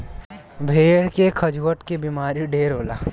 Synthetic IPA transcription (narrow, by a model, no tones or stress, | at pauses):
bʱeːɽkekʰɐd͡ʒuwəʈkebimaːɾiɖeːɾoːlaː